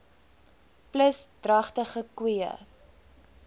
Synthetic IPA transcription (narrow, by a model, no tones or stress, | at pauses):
pləsdrɐχtəχəkwiə̰